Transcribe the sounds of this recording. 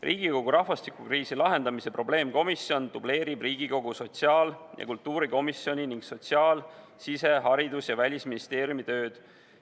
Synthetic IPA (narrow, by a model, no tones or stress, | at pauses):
rʔiːɡ̥iko̞ɡ̥uɾɑhvɑst̪ikˑukriːsilɑɦe̞nd̪̥ɑmise̞pro̞b̥le̞ːmko̞misjo̞nd̪̥uble̞ːɾib̥riːɡ̥iko̞ɡ̥uso̞t̪ʲsiɑːljʔɑ̰kult̪ːˑuːɾiko̞misjo̞nʲiniŋɡ̥so̞t̪siɑːl | sise̞ɦɑɾid̪usjɑvælʲisminist̪e̞ːɾjumit̪ø̞ːd̪̥